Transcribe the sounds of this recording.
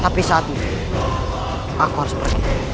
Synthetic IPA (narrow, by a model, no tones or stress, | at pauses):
t̪apisat̪i | akuaɾspərki